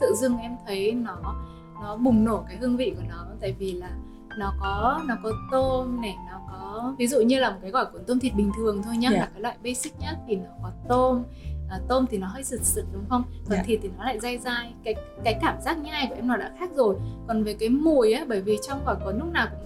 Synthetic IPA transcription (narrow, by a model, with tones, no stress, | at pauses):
t̪ɨ̰˧˨zɨ˧əŋʔɛ˧mt̪ʰə˨˦jnɔ˨˦ | nɔ˨˦ɓʊ˨˩ŋ͡mno˧˩kaː˨˦jɦɨ˧əŋvḭ˧˨ku˧˩ənɔ˨˦t̪a̰ː˧˨jvi˨˩laː˨˩ | nɔ˨˦kɔ˨˦nɔ˨˦kɔ˨˦t̪o˧mnɛ˨˩nɔ˨˦kɔ˨˦vi˨˦zṵ˧˨ɲɨ˧laː˨˩m˨˩t̚kaː˨˦jkwaː˧˩ku˧˩t̪o˧mt̪ʰi˨˩t̚ɓï˨˩ŋ̟t̪ʰɨ˨˩əŋt̪ʰo˧jɲa˦aː˨˩kaː˨˦lwa̰ː˧˨jɓə˧jsï˦˥k̟̚ɲa˦˥t̪ʰi˨˩nɔ˨˦kɔ˨˦t̪o˧m | ʔaː˨˩t̪o˧mt̪ʰi˨˩nɔ˨˦ɦəː˧˥jsɨ˨˩t̚sɨ̰˨˧˩t̚ɗʊ˨˦ŋ͡mxə˧wŋ͡mk̪ʰɔ˨˩t̪ʰi˨˩t̪ʰi˨˩nɔ˨˦la̰ː˧˨jza˧jzaː˧˩jkaː˨˦jkːaː˨˦jkːaː˧˩mzaː˦˥k̚ɲa˧jku˧˩əʔɛ˧mnɔ˨˦ɗa̰ː˧˥xaː˦˥k̚zo˨˩jkɔ˨˩nve˨˩kaː˨˦jmu˨˩əjʔaː˨˦ɓəː˧˩jvi˨˩t͡ɕwŋ͡mkɔː˧˩kɔ˨˩˦nlʊ˦˥k͡p̚naː˨˩wkʊ̰˧˥ŋ͡m